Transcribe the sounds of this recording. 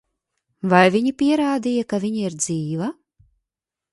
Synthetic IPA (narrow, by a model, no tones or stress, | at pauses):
vajvʲiɲipʲiɛɾaːd̪ijakavʲiɲiiɾd̪ziːva